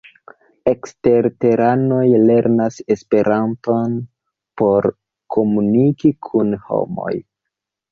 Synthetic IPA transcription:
e̞kste̞ɾte̞ɾano̞jle̞ɾnase̞spe̞ɾʔanto̞n | po̞ɾ | kʰo̞munikikʰunho̞̰mo̞̰j

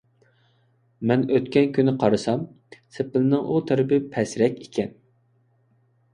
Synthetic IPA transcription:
mɛnøt̪kʲɛnkʲynɪqʰɑɾɨsɑm | sepɪlɪnɪŋʔut̪ʰæɾɪpɪpʰɛsɾɛkʲikʲʰɛn

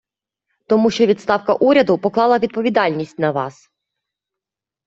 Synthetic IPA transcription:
t̪ɔmuʃt͡ʃɔʋʲit̪st̪ɑwkɐʔuɾʲɐd̪ʊpɔklˠɑlˠɐʋʲid̪̚pɔʋʲid̪ɑlʲnʲisʲtʲnɐʋɑ̰s

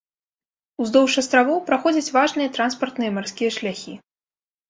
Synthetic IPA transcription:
uzd̪ɔwʂɐst̪ɾavɔwpɾaxɔd͡zʲɐt͡sʲvaʐnɨjɐt̪ɾanspɐrt̪nɨjɐmarskʲijɐʂlʲaxʲi

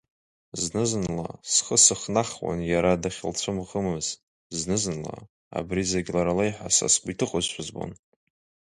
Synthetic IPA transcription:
znɨznla̰sχəsɨχnaχwa̰njaɾadaχʲɪlt͡ɕʷʰɨmʁəmɨz̥ | znɨznla̰ | a̰brizaɡʲlaɾalejħʷasa̰skʷʼitʰɨqʼʊzʃʷazbo̰n

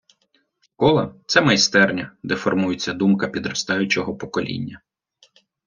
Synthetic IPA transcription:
kɔlˠɐt̪sɛmɐjst̪ɛrnʲɐd̪ɛfɔrmujɪt͡sʲːɐd̪umkɐpʲid̪ɾɐst̪ɑjʊt͡ʃɔɦɔpɔkɔlʲḭnʲːɐ

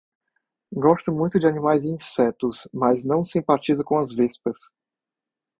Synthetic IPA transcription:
ɡɔst̪ʊmũj̃t̪ʊd͡ʒɪanimajzĩsɛt̪ʊsmɐznɐ̃w̃sẽmpat͡ʃizʊkõɐzvespɐs

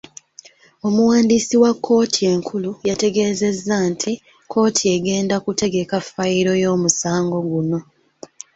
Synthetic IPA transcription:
o̞muwaːndisiwakʰːo̞ːtʰie̞ːŋkʰulujate̞ɡe̞ːze̞zːantʰi | kʰo̞ːtʰie̞ɡe̞ːndakute̞ɡe̞kafːaiɾo̞jo̞ːmusaːŋɡo̞ɡuno̞

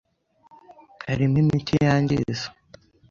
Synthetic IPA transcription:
haɾimimitijaːɲɟḭzo̥

